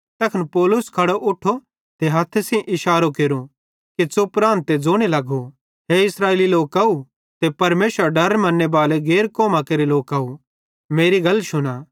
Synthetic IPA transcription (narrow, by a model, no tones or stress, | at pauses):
t̪ɐkʰənpɔːlʊskʰɐɽoʔʊʈʰːo | t̪eɦɐt̪ʰːesĩʔɪʃaːɾokeːɾu | kit͡sopɾãːnt̪ːed͡zoːɽ̃elɐɡo | ɦeɪsɾaːeːliloːkɐu | t̪epɐɾmeːsəɾɖɐɾmɐ̃nːebaːleɡeːɾkoːmakeːɾiloːkɐːu | meːɾiɡɐlʃʊnaː